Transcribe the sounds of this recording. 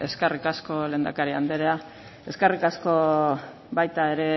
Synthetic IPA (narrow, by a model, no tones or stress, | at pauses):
e̞skerikasko̞le̞ːnd̪akaɾiand̪eɾea | e̞skerikasko̞ | bajt̪ae̞ɾe̞